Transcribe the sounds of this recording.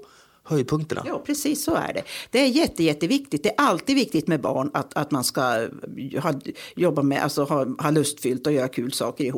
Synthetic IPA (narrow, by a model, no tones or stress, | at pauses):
hœjd̪̚pʰɵŋkt̪əna̰jɑːpʰɾɛsiːsːɔæ̰ɖɛ̰d̪̥ɛæɾjɛt̪ːəjɛt̪ːəvɪkt̪ɪt̪̚d̪ɛæɾʔalt̪iːd̪vɪk̚t̪ɪɡt̪mɛbɑ̰ːɳat̪at̪manska | hɑːjɔbːamɛʔa̰lsɔhɑːhɑːlɵst̪fʏlt̪ɔjœːɾakʰʉ̟ːlsɑ̰ːkəɾɪhuː